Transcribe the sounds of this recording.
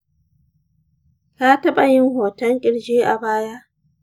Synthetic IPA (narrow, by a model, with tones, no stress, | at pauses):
kaː˦tɐ˦ɓa˨jɪ˦ŋhoː˨tɐ˦ŋkʲʼɪ˦˨ɽd͡ʒeː˦ʔa̰˨baː˦ja˦ʔ